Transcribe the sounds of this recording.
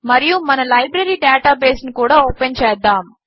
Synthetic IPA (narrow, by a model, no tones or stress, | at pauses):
mɐɾijumɐnɐlɐjbɾɐɾiːɖeːʈaːbeːsnikuːɽaːoːpent͡ʃɛːd̪ːaːm